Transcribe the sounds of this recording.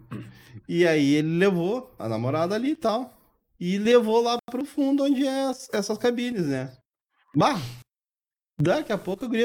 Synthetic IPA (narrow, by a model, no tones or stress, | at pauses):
ɪaielɪlevoɐ̰na̰moɾad̪ɐaliɪt̪aw | ɪlevolapɾʊfũd̪ʊõd͡ʒɪɛsɛsɐskabĩɲɐznɛ | baɦɐ | d̪akiapokʊʊɡɾi